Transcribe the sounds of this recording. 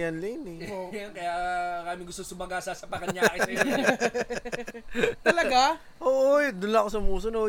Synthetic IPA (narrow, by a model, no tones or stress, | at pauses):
jɐnlɛnɛɐnkɐjawɐɾaːmɪŋɡʊst̪oŋsʊmɐɡasasɐpɐkɐɲaːkɪɐ | t̪lɐɡa | ʔoːʔod̪ʊnlɐkosɐmuːsono